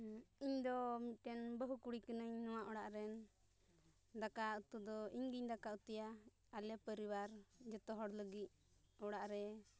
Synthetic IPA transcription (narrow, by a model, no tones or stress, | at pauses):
iɲd̪ɔmit̪̚ˀʈɛnbəɦukuɽikənəɲnɔwaʔɔɽaʔɾɛn | d̪akaut̪ud̪ɔiɲɡiɲd̪akaut̪ɛja | alɛpəɾiwaɾd͡ʒɔt̪ɔɦɔɽləɡit̪̚ | ɔɽaʔɾɛ